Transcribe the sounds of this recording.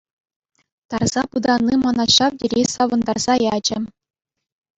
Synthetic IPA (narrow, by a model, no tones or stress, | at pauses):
t̪ɑrz̥ɑpud̪ɑnːimɑnɑɕɑʋdʲerʲesɑʋɤ̆nd̪ɑrz̥ɑjɑd͡ʑɘ̆